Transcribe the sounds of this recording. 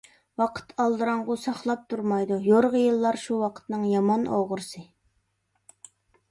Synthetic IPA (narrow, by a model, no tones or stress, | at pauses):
wɑqʰə̥t̪ʰɑlˠd̪ɨɾɑɴʁʊsɑχlˠɑp̚t̪ʰuɾmɑjd̪ujoɾʁəjɨlˠːɑɾʃuwɑqʰə̥t̪nɨŋjɑmɑnoʁʊɾsɨ